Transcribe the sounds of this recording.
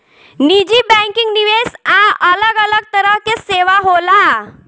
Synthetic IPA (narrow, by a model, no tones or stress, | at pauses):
nid͡ʑiːbɛ̃ŋkiŋɡniʋesaələɡələɡ̚t̪əɾəɦkeseʋaɦola